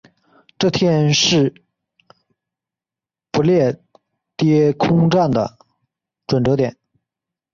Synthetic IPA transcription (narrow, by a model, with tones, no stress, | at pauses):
ʈ͡ʂɤ˥˩t̪ʰjɛ˥nʂɻ̩˥˩ | pu˧˥ljɛ˥˩ | t̪jɛ˥kʰʊ˥ŋʈ͡ʂa˥˩ŋd̪ə̰˩ | ʈ͡ʂwə˨˩nʈ͡ʂɤ˧˥t̪jɛ˨˩˦n